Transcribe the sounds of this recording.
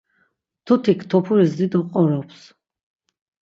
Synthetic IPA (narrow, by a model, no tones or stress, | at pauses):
t̪ʰut̪ʰikʰt̪ʰɔpʰuɾizd̪id̪ɔqʼɔɾɔpʰs